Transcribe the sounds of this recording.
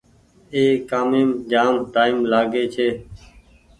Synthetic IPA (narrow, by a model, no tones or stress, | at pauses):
eːkaːmeːmd͡ʒaːmʈaːɪmlaːɡeːt͡ʃʰeː